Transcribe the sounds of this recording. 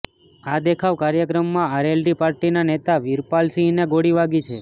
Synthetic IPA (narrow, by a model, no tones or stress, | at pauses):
ad̪ekʰaʋkaɾjəkɾəmːãaɾelɖipaɾʈinanet̪aʋiɾpalsineɡoɽiʋaɡit͡ʃʰe